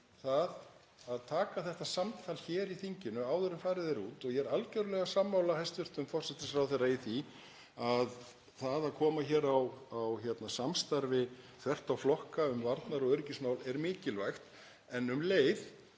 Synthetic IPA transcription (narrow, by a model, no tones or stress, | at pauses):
θað | aðt̪ʰaːkaθɛht̪asamt̪ʰalçɛːɾiθiɲcɪnʏaːwðʏɾʏmfaːɾɪðejɾuːt̪ɔɣjɛɾalcœɥɾʏlɛɣasamːawlahajst̪ʏr̥t̪ʏmfɔr̥sɛht̪ɪsfɾawθejrːaiθi | að | θaðaðkʰɔːmaçɛːɾawawçjɛt̪nasamst̪aɾvɪθvɛr̥t̪awflɔhkaʏmvaɾt̪naɾɔɣœɾcɪsmawlɛɾmɪːcɪlvajxt̪ | ɛnʏmleːjð